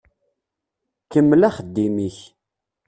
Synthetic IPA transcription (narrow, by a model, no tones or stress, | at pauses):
kəmːlæχəd̪ːimiç